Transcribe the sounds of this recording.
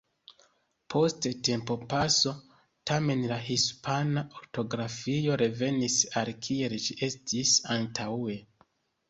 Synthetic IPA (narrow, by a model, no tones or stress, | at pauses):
pʰo̞stete̞mpo̞paso̞ | tame̞nlaɦispʰanaʔoɾto̞ɡɾafio̞ɾe̞ve̞nisalkʰie̞lʒiʔe̞stisantʰaue̞